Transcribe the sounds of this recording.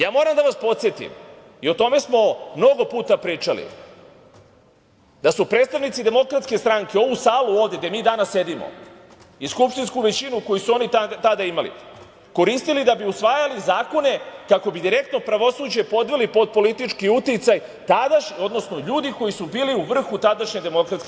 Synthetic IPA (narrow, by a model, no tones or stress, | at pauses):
jaːmo̞ːɾamd̪aʋaspo̞t̪sjet̪ḭm | io̞t̪o̞me̞smo̞mno̞ɡo̞puːt̪apɾiːt͡ʃalḭ | d̪asupɾed̪st̪aʋnit̪sid̪e̞mo̞kɾat̪ske̞st̪ɾaŋke̞o̞ʋusaːluo̞ːʋvd̪je̞ɡd̪emiːd̪anasːje̞d̪imo̰ | iskupʃt̪inskuʋe̞t͡ɕinuko̞jisuo̞niat̪ad̪aimalḭ | ko̞ɾist̪ilid̪abiusʋaːjalizaːko̞ne̞kako̞bid̪iɾe̞k̚t̪no̞pɾaʋo̞suːd͡ʑepo̞d̪ʋelipo̞d̪̚po̞lit̪it͡ʃkiut̪it̪saj | t̪ad̪aʃo̞d̪no̞sno̞ʎuːd̪iko̞jisubiːliuʋr̩xut̪ad̪aʃɲed̪e̞mo̞kɾat̪sk